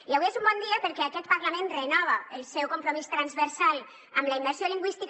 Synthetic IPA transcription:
lawiezumbɔnd̪iapəɾkɛakɛt̪̚paɾlamẽnrenɔβ̞aelˠsɛwkompɾomist̪ɾanzβeɾsal | əmlaimbəɾsioliŋɡwist̪ik

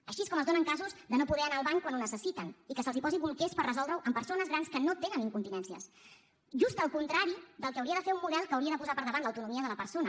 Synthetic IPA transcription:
əʃieskɔməzðonəŋkazuzd̪ənopuðɛənaːlˠβaɲkwanunəsəsit̪ənikəsəlˠzipɔziβulˠkespərəzɔlˠd̪ɾəwʔəmpəɾsonəzɣɾanskənot̪enəniŋkunt̪inɛnsiə̰s | ʒust̪əlˠkunt̪ɾaɾiðəlˠkəwɾiəðəfeɾumːuðɛlˠkəːwɾiəðəpuzapəɾðəβanləwt̪unumiəðələpəɾsonə

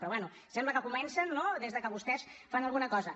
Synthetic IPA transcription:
pɾɔβwɛnu | sɛmbləkəkumɛnsənːoðezðəkəβust̪ɛsfanəlˠɣunəkɔzə

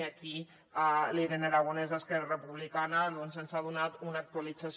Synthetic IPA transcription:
aki | aliɾenaɾaɣ̞unezəskɛrarəpuβlikanəðonzənsaðunat̪unak̚t̪ualid͡zas

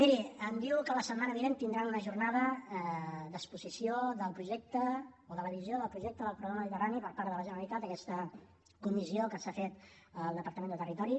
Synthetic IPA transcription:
miɾiənd̪iwkələsəmanəβiβent̪ind̪ɾanunəʒurnaðə | d̪əspuzisioðəlˠpɾuʒɛk̚t̪əoðələβizjoðəlˠpɾuʒɛk̚t̪əðəlˠpɾuɣɾaməməðit̪əranipəɾpaɾðələʒənəɾəlit̪at̪əkɛst̪ə | kumiziokəsafet̪ | əlˠd̪əpəɾt̪əmend̪ət̪ərit̪ɔɾi

